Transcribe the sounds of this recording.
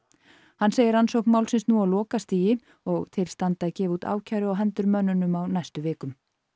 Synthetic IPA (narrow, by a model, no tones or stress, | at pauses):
hanːseːjɪɾansowhknmaːwlsɪnsnualɔːkast̪iːjɪ | ɔɣt̪ʰɪlst̪ant̪aicɛːvut̪a̰ːwcʰajɾʏɔɣɦɛnt̪ʏɾmœnːʏnʏmawnajst̪ʏvɪːkʏm